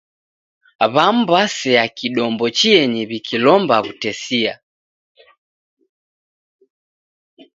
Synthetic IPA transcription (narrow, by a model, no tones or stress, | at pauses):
βam̩basɛakiɗɔmbɔt͡ʃiɛɲɛβikʰilɔmbaβutɛsia̰